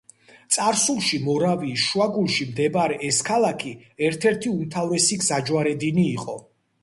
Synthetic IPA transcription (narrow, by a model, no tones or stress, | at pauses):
t̪sʼaɾsulˠʃimɔɾaviʃuaɡulˠʃimd̪ɛbaɾɛʔɛskʰalˠakʰi | ɛɾt̪ʰɛɾt̪ʰiumt̪ʰavɾɛsiɡzad͡ʒwaɾɛd̪iniːqʼɔ